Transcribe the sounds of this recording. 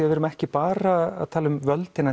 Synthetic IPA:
ðvɪːɾʏmɛhcɪpaːɾaa̰ðt̪ʰaːlʏmvœlt̪ɪnːa

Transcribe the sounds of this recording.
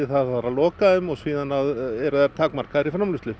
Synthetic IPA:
ɪθaðfaɾalɔːkaðʏmɔɣsiːðanaðɛɾʏðɛɾt̪ʰaːkmar̥kaɾifɾamlʏst̪lʏ

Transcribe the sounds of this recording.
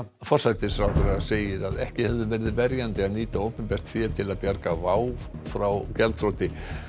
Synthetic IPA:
fɔr̥sajt̪ɪsɾawθɾaseːjɪɾaðɛhcɪhɛvðʏvɛɾɪðɪðvɛɾjant̪ɪaðniːt̪aowpɪmpɛr̥t̪θiat̪ʰɪlaðpjaɾkavaːwfɾawcɛlt̪θɾot̪ɪ

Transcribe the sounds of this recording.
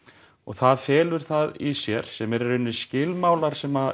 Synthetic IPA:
ɔɣθaðfɛːlʏɾ̥θaðisjɛɾ̥sɛmɛɾɛɾɪnːʏscɪlmaːwlaɾ̥sɛma

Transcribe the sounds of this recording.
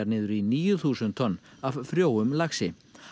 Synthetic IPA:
aɾnɪːðʏɾiniːjʏθuːsʏnt̪ʰɔnːavfɾjoːwʏmlaxsɪ

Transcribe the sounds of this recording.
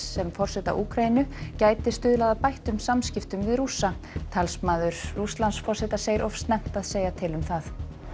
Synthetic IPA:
ɛmfɔr̥sɛt̪a̰ʔuːkʰɾainʏcaːjt̪ɪst̪ʏːðlaːðapajht̪ʏmsamscɪft̪ʏmvɪðrusa | t̪ʰalsmaːðʏɾ̥ruslansfɔr̥sɛt̪aseːjɪɾʔɔfst̪nɛm̥t̪aðseːjat̪ʰɪlʏmθaθ

